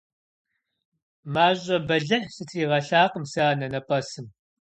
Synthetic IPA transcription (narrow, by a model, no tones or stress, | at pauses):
maːʑʼɐbɐɮɐħsɨtʰiːʁɐɬaːqʼəmsaːnɐnɐpʼɐsɨm